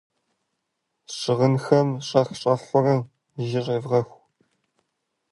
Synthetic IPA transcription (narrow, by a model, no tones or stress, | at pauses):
ʂɨʁənxɐmɕʼɐxɕʼɐfʊrɨ | ʒɪɕʼeːvʁɐxʷ